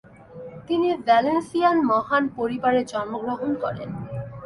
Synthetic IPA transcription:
t̪inibɛlensianmɔɦanpoɾibaɾed͡ʑɔnmoɡɾoɦonkɔɾḛn

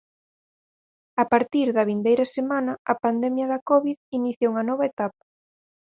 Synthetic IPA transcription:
apaɾt̪iɾðɐβind̪ejɾɐsemanɐɐpand̪ɛmjɐðɐkɔβiðiniθjouŋɐnɔβɐet̪apɐ̥

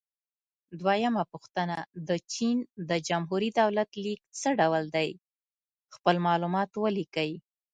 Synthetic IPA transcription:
d̪wajamapuxt̪ənad̪ət͡ʃind̪əd͡ʒamɦuɾid̪awlat̪lik̚t͡səɖawəld̪aj | xpəlmɑlumɑt̪wəlikawi

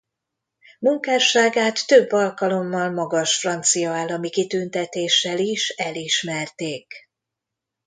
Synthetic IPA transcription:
muŋkaːʃaːɡaːt̪ːø̞bːɒlkɒlo̞mːɒlmɒɡɒʃfrɒnt̪sijɒaːlːɒmikit̪ynt̪ɛt̪eːʃːɛliʃɛliʃmɛrt̪eːk

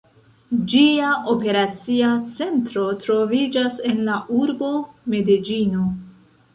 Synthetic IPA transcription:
d͡ʒiaʔope̞ɾat͡siat͡se̞ntɾo̞tɾo̞vid͡ʒase̞nlaʔuɾbo̞me̞did͡ʒino

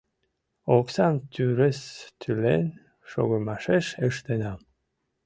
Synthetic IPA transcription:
oksɑnt̪ʰyɾest̪ʰylḛn | ʃo̰ɣomɑʃeʃeʃt̪enɑm

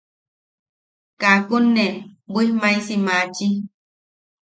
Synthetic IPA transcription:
kakunːɛbimãjsimãt͡ʃi

